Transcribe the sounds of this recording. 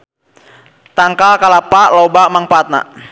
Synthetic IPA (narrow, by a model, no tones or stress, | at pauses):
t̪aŋkalkalapaʔlɔbamaŋpat̪̚na̰ʔ